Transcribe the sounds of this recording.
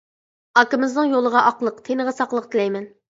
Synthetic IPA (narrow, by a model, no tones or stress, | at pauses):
ɑkɪmɪznɨŋjolˠəʁɑʔɑqlˠəqt̪ʰenɨʁɛsɑqlˠəq̚t̪ʰɪlɛjmɛn